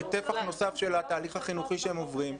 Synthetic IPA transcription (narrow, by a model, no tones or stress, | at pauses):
t̪e̞faχno̞safʃe̞lat̪aːliχhaχinuχiʃeemo̞vʁim